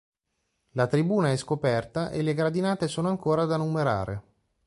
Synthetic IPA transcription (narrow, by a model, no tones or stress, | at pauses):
lat̪ɾibuːnaɛskopɛrt̪aʔeleɡɾad̪inaːt̪esoːnoaŋkoːɾad̪anːumeɾa̰ːɾʔḛ